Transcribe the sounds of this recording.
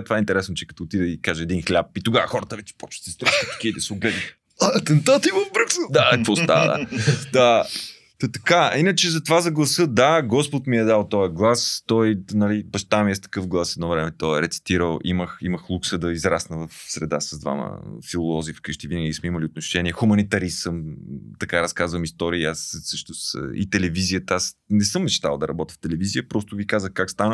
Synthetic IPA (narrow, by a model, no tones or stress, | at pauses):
t̪ovaɛint̪ɛɾɛsnʊt͡ʃɛkɐt̪ɔoːt̪id̪ɛikaʒəɛd̪inxlʲap̚it̪ʊɡavəxɔɾət̪əvɛt͡ʃɛ̥pɔt͡ʃsɛst̪ɾaʃit̪u̥kʲiid̪ɐsɛʊɡlɛd̪i | ɐɐt̪ɛnt̪at̪ivəvbɾuksəd̪aɛpost̪a̰d̪a̰d̪a | t̪ot̪ɐ̥kainət͡ʃɛzɐt̪ovazɐɡlˠɐsɤd̪aɡɔspot̪miɛd̪alˠt̪ɔjɛɡlˠast̪ɔjnɐlibɐʃt̪amiɛst̪ɐ̥kɤfɡlˠasɛd̪nɔvɾɛmɛt̪ɔɛɾɛt̪si̥t̪iɾəlˠiməximəxlˠuksəd̪ɐizɾasnəvɐfsɾɛd̪a̰sɐzd̪va̰mə̰filˠolˠɔzifkəʃt̪ivinəɡʲismɛimɐliot̪noʃɛnʲiɛxumɐnit̪ɐɾisɤmt̪ɐkaɾɐskazvəmist̪ɔɾiiassɤʃnʊst̪ḭt̪ɛlɛvizijət̪əasnɛsɤmːɛʃt̪a̰lˠd̪ɐɾɐbɔt̪ʲi̥ft̪ɛlɛvizijəpɾɔst̪ʊvikazəxkakst̪anə